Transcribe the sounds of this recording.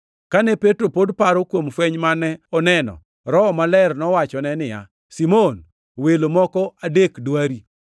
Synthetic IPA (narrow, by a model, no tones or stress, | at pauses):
kanɛpetɾopodpaɾokwomfweɲmanɛɔnɛnɔ̰ | ɾɔmalɛrnɔwat͡ʃɔnɛnɪja̰ | simon | welomɔkɔadekdwaɾi